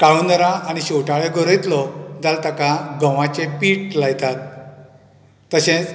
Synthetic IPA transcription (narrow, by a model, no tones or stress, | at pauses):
kaɭund̪əɾãañiɕowʈaɭeɡoɾejt̪lɔd͡zalt̪akaɡəʋãt͡ɕepiːʈlajt̪at̪ | əɕẽt͡s